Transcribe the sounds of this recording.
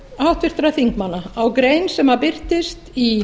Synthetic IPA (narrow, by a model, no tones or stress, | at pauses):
awht̪vɪr̥t̪ɾaθiŋkmanːaawkɾejnsɛmapɪr̥t̪ɪstt̪i